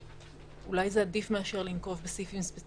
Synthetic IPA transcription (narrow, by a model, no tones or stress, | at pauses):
ulajzeadifme̞aʃe̞ʁlinko̞vbesifimspe